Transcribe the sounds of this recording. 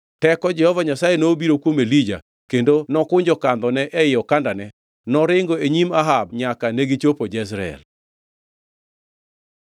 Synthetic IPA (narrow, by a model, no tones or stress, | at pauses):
tɛkɔd͡ʒɛhɔvaɲasajenoːbiɾokwomelid͡ʒa̰ | kendonɔkʊɲd͡ʒɔkand̪ɔnɛʔɛɪjɔkandanɛ | nɔɾɪŋɡoeɲimaɦab̚ɲakaneɡit͡ʃopod͡ʒɛs̬ɾaɛ̰l